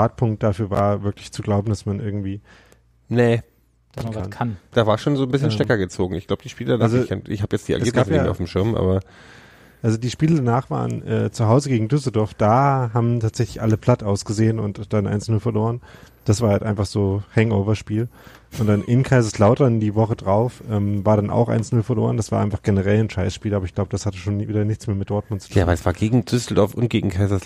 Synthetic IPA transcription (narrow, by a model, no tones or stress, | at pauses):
aːt̚pʰʊŋkt̚d̥afyːɐva̰ːɐvɪɐklɪçt͡suɡlaʊbm̩dasmanʔɪɐɡŋ̩tv̥iː | nə̥ | kʰanʰand̥aːvaːʃoːnzoːnbɪsçənʃtɛkɐɡət͡soːɡŋ̩ɪ̰çɡ̥laʊbə̥diːʃpiːlədanazoɛʔɪ̰çhaːbjɛt͡std̥iːʔa̰ɡsiɐɡaːsjaːaʊfmʃɪɐmʔa̰ːbɐ | ʔalzodiːʃpiːlədanaːχv̥a̰ːʁənʔɛ̰ːt͡suɦaʊzəɡeːɡŋ̩dʏs̬l̩dɔɐfd̥aːɦaːbm̩tʰaːtz̥ɛçlɪçʔaləpl̥atʔaʊsɡ̥əzeːənʊntd̥anʔa̰ɪnt͡snʊlfɛɐloːʁən | d̥asv̥aːɐhaltʔa̰ɪnfaχz̥oːhɛŋʔoʊvɐʃpiːl | ʔʊnt̚d̥anʔɪnkʰaɪzɐslaʊtɐndiːvɔχədʁaʊfʔɛːmvaːɐɾanʔa̰ʊxʔa̰ɪnt͡snʊlfɛɐlo̰ːɐʁ̞əndasv̥aːɐʔaɪnfḁχɡ̥enəʁɛlnʃaɪsʃpiːlaːbɐəɪçɡ̥laʊbəd̥ashatəʃoːnviːdɐnɪçt͡smeːɐmɪt̚d̥ɔɐtmʊntt͡su̥tʰjaːvalsv̥aːɐɡeːɡŋ̩d̥ʏsl̩dɔɐfʊntɡ̥eːɡŋ̩kʰaɪzɐs